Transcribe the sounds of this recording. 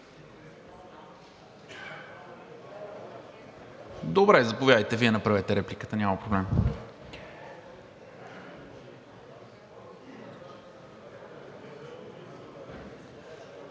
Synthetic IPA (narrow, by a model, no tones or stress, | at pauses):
d̪obɾɛzɐpovjad̪əjt̪ɛviɛnɐpɾavɛt̪ɛɾɛplʲikət̪ənʲaməpɾoblɛm